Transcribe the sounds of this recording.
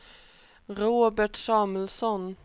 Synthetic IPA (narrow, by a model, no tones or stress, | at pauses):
ɾoːbəʈʃɑːml̩sɔn